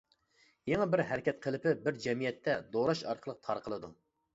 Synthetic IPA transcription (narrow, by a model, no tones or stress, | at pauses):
jeŋɑbɪɾɦɛɾɪkʲʰɛt̪̚qʰəlˠɪpɪbɪɾd͡ʒɛmijɛt̪ʰːɛd̪oɾɑʃɑ̰ɾqʰəlˠəq̚t̪ʰɑɾqʰəlˠɨd̪u